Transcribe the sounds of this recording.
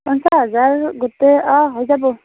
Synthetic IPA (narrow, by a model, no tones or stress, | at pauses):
ɔnsaɦɔzaɹɡotɛɔɦojzabɔ